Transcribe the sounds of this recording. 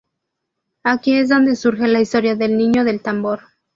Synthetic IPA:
akie̞z̬ðo̞nd̪e̞suɾxe̞laist̪o̞ɾjaðe̞lnĩɲo̞ðe̞lt̪ambo̞ɾ

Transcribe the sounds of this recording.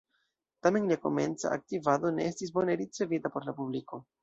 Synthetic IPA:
tame̞nliako̞̰me̞nt͡sa̰ʔa̰k̚tivado̞ne̞estis̬bo̞neɾit͡se̞vitapo̞ɾlapubliko̞

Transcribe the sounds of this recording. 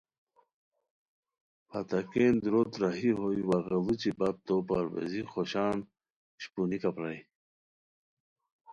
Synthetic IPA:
pat̪akeːnd̪ɾot̪ɾaɦiɦojwaɣalut͡ɕibap̚t̪opaɾwḛzixoɕɑːn | ɕpunikapɾaj

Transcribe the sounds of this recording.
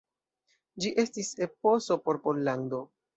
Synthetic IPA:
d͡ʒiʔe̞stise̞po̞so̞po̞ɾpo̞llando̞

